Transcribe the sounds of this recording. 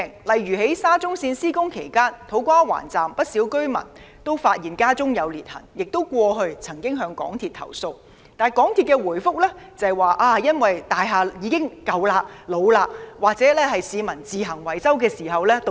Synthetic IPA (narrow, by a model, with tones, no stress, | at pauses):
ŋlɐ˨jɥyː˨˩he˨˥jsaː˥t͡sʊ˥ŋsiː˧nsiː˥kʊ˥ŋkʰe˨˩jkaː˥nt̪ʰo˨˥wkʷaː˥wa̰ː˨˩nt͡saː˨mpɐ˥t̚si˨˥wkɵ˥ɥmɐ̰˨˩n | t̪o˥wfaː˧t̚jiː˨˩nkaː˥t͡sʊ˥ŋjɐ˨˧wliː˨t̚hɐ̰˨˩ŋjɪ˨k̚t̪o˥wkʷɔː˧ɦɵ˧ɥt͡sʰɐ˨˩ŋkɪ˥ŋɦœː˨˧ŋkɔ̰ː˨˥ŋt̪ʰiː˨t̪̚ʰɐ̰˨˩wso˧w | t̪aː˨jkɔː˨˥ŋt̪ʰiː˨t̚kɛ˧wuː˨˩jfʊ˥k̚lɛː˥t͡sɐ˨jwaː˨ʔaː˧jɐ˥nwɐ˨jt̪aː˨jɦaː˨jiː˨˧kɪ˥ŋkɐ˨wlaː˧lo˨˧wlaː˧k̚waː˨k̚t͡sɛː˨˥lɛː˥hɐ˨jsiː˨˧mɐ˨˩nt͡siː˨ɦɐ˨˩ŋwɐ˨˩jt͡sɐ˥wkɛː˧siː˨˩ɦɐ˨wlɛː˥t̪